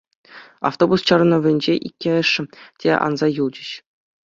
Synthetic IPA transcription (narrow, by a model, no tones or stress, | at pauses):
ɑ̰ft̪obust͡ɕɑ̆r̆nɤ̆ʋʲɘ̆nʲd͡ʑeʔikʲːeɘ̆ʂːɘ̆tʲeʔɑ̰nzɑjulˠd͡ʑɘ̆ɕ